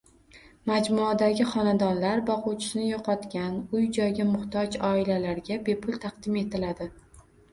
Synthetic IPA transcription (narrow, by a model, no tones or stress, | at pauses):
mad͡ʒmʊad̪aɡʲɪχɒnad̪ɒnlaɾbɒqʊwt͡ʃʰɪ̥ʃnɪjoqʰɒt̪kʲanʊjd͡ʒɒjɡʲamʊχt̪ʰɒd͡ʒɒɪlalaɾɡʲabe̞pʰʊlˠt̪ʰɑqd̪ɪme̞t̪ʰɪlad̪ɪ